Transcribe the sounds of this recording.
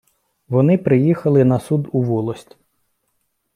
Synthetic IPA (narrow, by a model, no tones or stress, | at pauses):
ʋɔnɪpɾɪjixɐlˠɪnɐsud̪uʋɔlˠɔsʲtʲ